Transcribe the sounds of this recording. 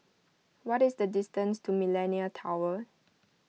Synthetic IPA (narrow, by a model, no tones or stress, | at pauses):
wɔtɪsdədistə̃nstʰumilɛniətʰawə